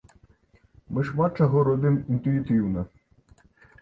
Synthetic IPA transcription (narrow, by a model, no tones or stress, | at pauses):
mɪʃmɑt͡ʃɔɦɔɾɔd̪ɪmint̪ʊit̪ɪwnɐ